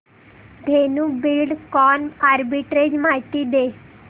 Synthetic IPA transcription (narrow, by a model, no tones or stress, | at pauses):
d̪ʱenubilɖkɔnaɾbiʈɾed͡ʑmaɦt̪id̪e